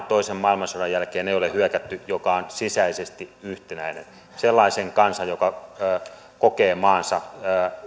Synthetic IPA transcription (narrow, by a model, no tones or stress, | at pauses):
t̪oisemmɑilmɑsorɑjjælkeːneijolehyøkæt̪ːyjokɑonsisæisest̪iyht̪enæinḛn | selːɑiseŋkɑnsɑjokɑː | kokeːmɑːnsɑː